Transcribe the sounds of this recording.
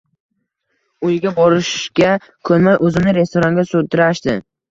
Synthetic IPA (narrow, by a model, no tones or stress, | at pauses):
ʊjɡʲabɒɾɪʃɡʲa | kʰɵnmajʔɵzɪnɪɾe̞st̪oɾaŋɡʲasod̪ɪɾaʃd̪ɪ̰